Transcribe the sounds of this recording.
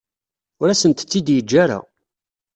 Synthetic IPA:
ʊɾæsənt̪t͡sːid̪jəd͡ʒːaɾa̰

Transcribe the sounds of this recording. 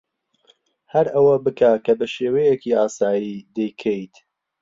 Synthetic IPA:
hɐɾɐwɐbɨkʰakɐbɐʃeːwejekiaːsaːjiːd̪ejkʰejt̪

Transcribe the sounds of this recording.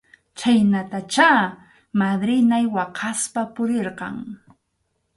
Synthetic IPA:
t͡ʃajnat̪at͡ʃaː | mad̪ɾɪnajwɑqʰɑspapʊɾeɾqɑ̰ŋ

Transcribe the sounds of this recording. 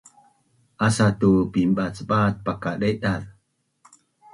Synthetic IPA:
ʔasat̪upimɓat͡sɓat̪̚pakaɗeɗað

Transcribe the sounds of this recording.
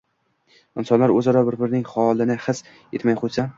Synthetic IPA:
ɪnsɒnlaɾɵzɒɾɒbɪɾbɪɾnɪŋχɒlˠɪnɪχɨs | et̪majqʊsa

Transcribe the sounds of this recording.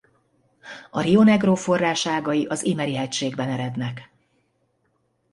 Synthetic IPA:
ɒrio̞nɛɡroːfo̞rːaːʃaːɡɒjiʔɒzimɛɾiɦɛcʃeːɡbɛnɛɾɛd̪nɛk

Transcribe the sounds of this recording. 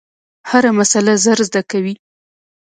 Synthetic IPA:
haɾamasalazaɾzd̪akawi

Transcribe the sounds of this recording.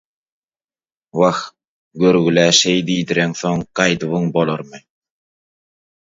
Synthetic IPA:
wɑx | ɡøɾɣylæʃejd̪iːd̪iɾeŋθoŋqɑjd̪ɯβɯŋbolˠoɾmɯ

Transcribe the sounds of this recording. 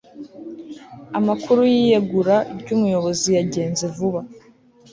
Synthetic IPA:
amakʰuɾujijeɡuɾaɾɟumujo̞βo̞zijaɟe̞ːnzevuβa

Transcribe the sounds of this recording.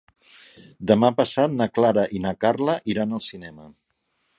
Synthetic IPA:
d̪əmapəsat̪̚nəklaɾəʔinəkarləʔiɾanəlˠsinɛmə

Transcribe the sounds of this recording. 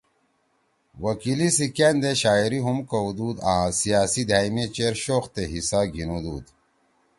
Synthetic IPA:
wɐkilisikend̪eɕaːiɾiɦumkɐud̪uːd̪ãːsijaːsid̪ʱaːimet͡ɕeːɾɕoːxt̪eɦisaːɡʱinud̪uːd̪

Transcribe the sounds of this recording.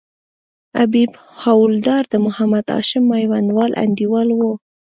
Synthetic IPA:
abib | hawʊld̪ɑɾd̪əmʊhamad̪ɑ̰ʃɪmːajwand̪wɑlʔa̰nd̪iwɑlwo

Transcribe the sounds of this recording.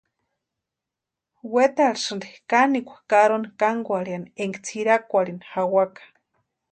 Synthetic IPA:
wet̪aɾisɨnd̪ikanikʷḁkaɾonikaŋɡʷaɾianieŋɡt͡sʰiɾakʷaɾinxawakḁ

